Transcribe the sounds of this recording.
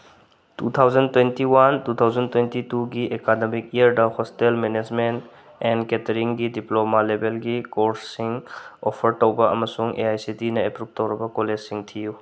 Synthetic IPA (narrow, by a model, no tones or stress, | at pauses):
tut̪ʰawd͡ʒɐntwentiwantutʰawzɐntwentituɡiʔekademik̚ijɐɾdɐhɔstelmened͡ʒment | ɛnketɐɾiŋɡidiplomalebelɡikoɾsːiŋopʰɐɾtowbɐɐ̰mɐsuŋḛajsitinɐepɾup̚tɐwɾɐbɐkoled͡ʒsiŋtʰiju